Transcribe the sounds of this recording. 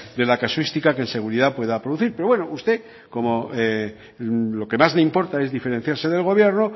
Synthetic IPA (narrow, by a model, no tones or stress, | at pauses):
d̪e̞lakaswist̪ikakense̞ɣ̞uɾiðapwe̞ðapɾoðuθiɾpe̞ɾowe̞noust̪e̞ | ko̞moe | lo̞ke̞mazleimpo̞ɾt̪ae̞zðife̞ɾe̞n̟θjaɾse̞ðe̞lɣo̞βjeɾno